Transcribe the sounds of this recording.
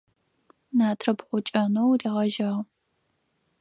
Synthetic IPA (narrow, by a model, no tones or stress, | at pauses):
naːtʰrɐbʁʷʊt͡ʃʼɐnowriːʁɐʒɐʁ